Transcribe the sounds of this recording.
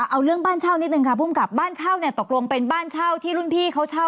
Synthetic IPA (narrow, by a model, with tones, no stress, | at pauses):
ʔa˧wɾɯ˥˩əŋbaː˥˩nt͡ɕʰaː˥˩wni˦˥nɯ˧ŋkʰa˧˥˩pʰuː˥˩mka˨˩p̚baː˥˩nt͡ɕʰa˥˩wni˥˩t̪o˨˩k̚lo˧ŋpe˧nbaː˥˩nt͡ɕʰaː˥˩wt̪ʰiː˥˩ɾu˥˩npʰiː˥˩kʰa˦˥wt͡ɕʰa˥˩w